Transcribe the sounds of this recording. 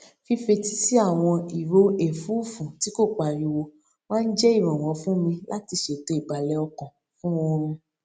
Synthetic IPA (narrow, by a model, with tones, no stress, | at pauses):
fi˧fe˧ti˦si˦a˦˨w̃ɔ̃˧i˨ɾo˨˦e˨fu˨˦˨fũ˨ti˨˦ko˦˨k͡pa˨ɾĩ˧wo˧ | wã˦n̩˦d͡ʒɛ˦i˦˨ɾ̃ɔ̃˨w̃ɔ̃˨˧˦fũ˦mĩ˧la˦ti˧ʃe˨to˨˦i˦˨ba˨lɛ˨˦ɔ˧kɔ̃˨ | fũ˦wɔ̃˧ɾ̃ũ˧